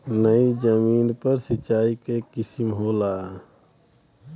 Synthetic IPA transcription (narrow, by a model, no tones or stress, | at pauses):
nəid͡ʒəmiːnpəɾsɪt͡ʃaːikekɪsimɦoːlaː